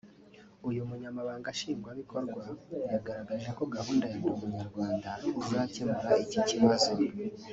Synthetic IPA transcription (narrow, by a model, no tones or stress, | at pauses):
ujumuɲamaβaːŋɡaʃiːŋɡwaβiko̞ɾɡwajaɡaɾaɡaʒe̞ko̞ɡahuːndajandumuɲaɾɡwaːndauzacemuɾaiciciβazo